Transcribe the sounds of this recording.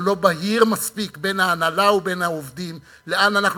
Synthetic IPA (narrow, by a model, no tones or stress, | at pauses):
lo̞baɦiʁmaspikbe̞nhaːnalaube̞naovdim | le̞ananaχn